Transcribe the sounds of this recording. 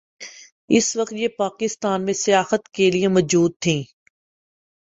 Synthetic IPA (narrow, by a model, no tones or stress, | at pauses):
ɪsʋɐqt̪jepaːkɪst̪aːnmẽsijaːhət̪keliemɔːd͡ʒuːd̪̚t̪ʰĩː